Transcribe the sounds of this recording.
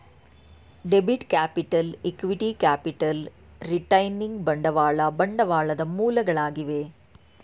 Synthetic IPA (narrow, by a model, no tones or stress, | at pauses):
ɖebiʈkaːpɪʈːɐlɛkːʋiʈikaːpɪʈːɐl | ɾiʈːɐjniŋɡbɐɳɖɐʋaːɭɐbɐɳɖɐʋaːɭɐðɐmuːlɐɣɐɭaːɣiʋeː